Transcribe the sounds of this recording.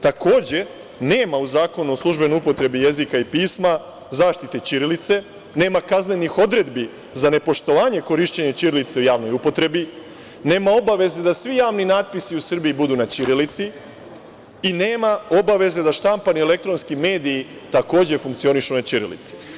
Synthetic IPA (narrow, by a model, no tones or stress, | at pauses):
t̪ako̞ːd͡ʑe̞ | ne̞ːmauzaːko̞nuo̞slˠuʒbenojupo̞t̪ɾe̞bije̞zikaipiːsma | zaːʃt̪it̪et͡ɕiɾilit̪se̞ | ne̞ːmakazne̞nixo̞d̪ɾe̞d̪bi | zane̞po̞ʃt̪o̞ʋaːɲe̞ko̞ɾiʃt͡ɕeɲet͡ɕiɾilit̪seujaːʋno̞jupo̞t̪ɾe̞bi | ne̞ːmao̞baʋe̞ze̞d̪asʋijaːʋninaːt̪̚pisiusr̩biːbud̪unat͡ɕiɾilit̪si | ine̞ːmao̞baʋe̞ze̞d̪aʃt̪ampanie̞le̞k̚t̪ɾo̞nskime̞ːd̪iːt̪ako̞ːd͡ʑe̞fuŋkt̪sio̞niʃunat͡ɕiɾḭlḭt̪si̥